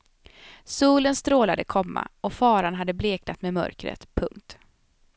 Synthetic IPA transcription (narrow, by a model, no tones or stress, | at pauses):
suːlənst̪ɾoːlad̪əkʰɔmːa̰ɔfɑːɾanɦad̪ːəbleːknat̪mɛmœ̰ɾkɾə̰t̪pʰɵŋkt̪